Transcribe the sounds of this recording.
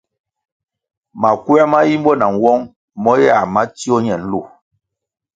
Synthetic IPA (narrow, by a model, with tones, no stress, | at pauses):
ma˨ku˦ɛ˦ma˦ji˦m˦bɔ˦na˨n˨wɔ˦ŋ | mɔ˦ja˦˨ma˦ti˦ɔ˦ɲɛ˨n̩˦lu˦˨